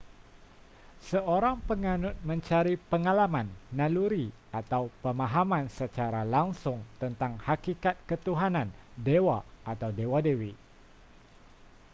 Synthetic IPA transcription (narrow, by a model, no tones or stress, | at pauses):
səʔoɾaŋpəŋanʊt̪̚məɲt͡ʃaɾipəŋalamanːaluɾi | at̪awpəmaɦamansət͡ʃaɾalaŋsʊŋt̪ənt̪aŋhakikat̪̚kət̪uɦanandewaʔːt̪awdewadewi